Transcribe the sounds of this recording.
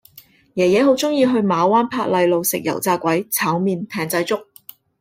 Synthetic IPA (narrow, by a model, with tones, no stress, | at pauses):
jɛː˨˩jɛː˨˧ɦo˨˥wt͡sʊ˥ŋjiː˧ɦɵ˧ɥmaː˨˧waː˥npʰaː˧k̚lɐ˨˧jlo˨wsɪ̰˨k̚jɐ̰˨˩wt͡saː˧kʷɐ˨˥jt͡sʰaː˨˥wmiː˧nt̪ʰɛː˨ŋt͡sɐ˧jt͡sʊ˥k̚